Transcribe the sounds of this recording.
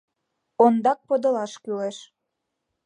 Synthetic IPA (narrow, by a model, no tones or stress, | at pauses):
ond̪ɑk̚pod̪ɤ̆lɑʃkyleʃ